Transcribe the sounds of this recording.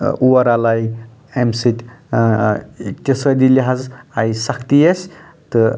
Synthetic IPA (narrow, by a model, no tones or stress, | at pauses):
uwaɾalaj | emsit̪ʲ | tʲesəd̪iliɦazajsakʰt̪iesʲ | t̪ɨ